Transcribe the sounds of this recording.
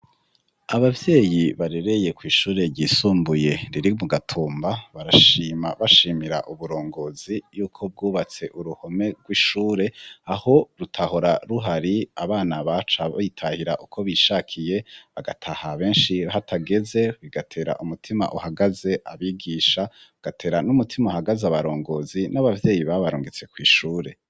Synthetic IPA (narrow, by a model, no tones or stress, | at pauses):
aβavje̞ːjiβaɾe̞ɾe̞je̞kwiːʃuːɾe̞ɾɟiːsuːmbuje̞ɾiɾimuɡatʰuːmbaβaɾaʃiːmaβaʃiːmiɾa̰ʔuβuɾo̞ːŋɡo̞zijuːkʰo̞b̚ɡuːβat͡se̞ʔuɾuho̞me̞ɡ̥wiːʃuːɾe̞aho̞ɾutʰaho̞ɾaɾuɦaɾiaβaːnaβat͡ʃajitʰahiɾaʔukʰo̞βiʃaːkʰije̞βaɡatʰahaβe̞ːnʃihatʰaɡe̞ze̞βiɡatʰe̞ːɾa̰ʔumutʰima̰ʔuhaɡaze̞ʔaβiɡiʃaɡ̥atʰe̞ːɾanumutʰimauhaɡazaβaɾo̞ːŋɡo̞ːzinaβavje̞ːjiβaβaɾṵːŋɡet͡se̞kwiːʃuːɾe̞